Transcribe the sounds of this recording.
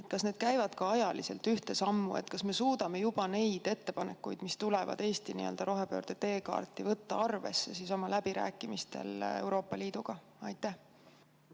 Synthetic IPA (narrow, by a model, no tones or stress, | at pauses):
et̪ˑkɑsne̞d̪̥̚kæjvɑd̪̥kɑɑjɑlise̞lt̪yht̪e̞sɑmːṵe̞̰t̪ːˑkɑsme̞suːd̪̥ɑme̞jub̥ɑne̞jd̪̥e̞t̪ːe̞pɑne̞kːˑujd̪̥mist̪ule̞vɑ̰d̪e̞ːst̪inḭø̰ld̪̥ɑɾo̞ɦe̞pø̰ːrd̪̥e̞t̪e̞ːkɑ̰ːrt̪ˑːivɤt̪ːɑɑrve̞̰sːe̞siso̞mɑlæb̥iɾæ̰ːkːˑimist̪e̞̰le̞̰wɾo̞ːpːˑɑliːd̪̥uɡ̥ɑ | ɑjt̪ːˑæh